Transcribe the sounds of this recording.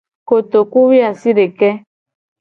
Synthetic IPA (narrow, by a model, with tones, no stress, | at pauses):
ko˨t̪o˨ku˦wi˦a˨si˦ɖe˨kɛ˦